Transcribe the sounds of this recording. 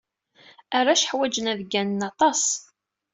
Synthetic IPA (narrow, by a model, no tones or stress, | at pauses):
aɾːaʃħwæd͡ʒənæðɡːænənɑt̪ˤɑsˤ